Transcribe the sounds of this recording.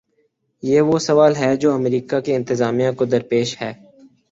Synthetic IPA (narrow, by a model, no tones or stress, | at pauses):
jeːʋosɐʋaːlɦɛːd͡ʒoːɐmɾiːkakeɪ̃nt̪ɪzaːmijãkod̪ɐɾpeːʃhɛː